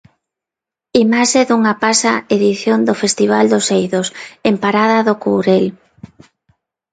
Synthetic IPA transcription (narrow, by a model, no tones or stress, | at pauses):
imaʃeðuŋapasaeðiθjond̪ofest̪iβ̞ald̪osejðosempaɾað̞aðokowɾel